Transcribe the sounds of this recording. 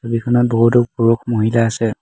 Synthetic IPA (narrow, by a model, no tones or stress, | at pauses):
sobikʰɔnɔt̚boɦutɔk̚buɹukʰmoɦilaːsɛ